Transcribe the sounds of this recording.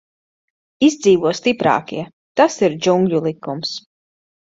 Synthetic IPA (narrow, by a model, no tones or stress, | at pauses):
izd̪ziːvuɔst̪ipɾɑ̰ːkḭɛ | t̪asiɾd͡ʒuŋɡlʲulˠikums